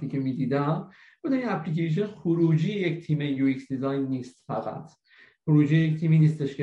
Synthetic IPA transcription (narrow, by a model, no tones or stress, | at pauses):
t̪iːkʰemiːd̪iːd̪æm | bod̪æninæpʰlikejʃ̬onxoɾuːd͡ʒiːeject̪ʰiːmejuiksd̪izɒːjnːiːst̪fæɣæ̰t̪ʰ | χoɾuːd͡ʒiːjeject̪ʰiːminiːst̪eʃke